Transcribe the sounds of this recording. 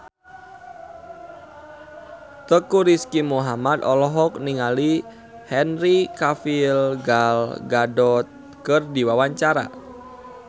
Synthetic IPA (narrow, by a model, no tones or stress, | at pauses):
t̪əkuɾiskimuɦamad̪ɔlɔɦɔk̚niŋali | hɛnrikafilɡalɡadɔt̪̚ | kɨrdiwawaɲt͡ʃaɾa̰